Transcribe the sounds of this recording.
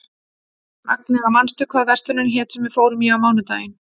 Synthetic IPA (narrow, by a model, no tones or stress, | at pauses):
ma̰knɛɣamanst̪ʏkʰvaðvɛr̥st̪ʏnʏnçɛːt̪sɛmvɪðfoːwɾʏmjɛawmaːwnʏt̪a̰ːjɪn